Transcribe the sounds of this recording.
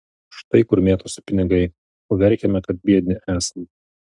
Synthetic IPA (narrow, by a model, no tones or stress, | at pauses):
ʃt̪ɐɪkʊɾmʲeːt̪oːsʲʊ̥pʲɪnʲɪɡɐɪ | oːʋʲɛɾʲˑkʲɛmʲɛkɐt̪̚bʲiɛd̪ʲnʲɪʔæːsɐnʲ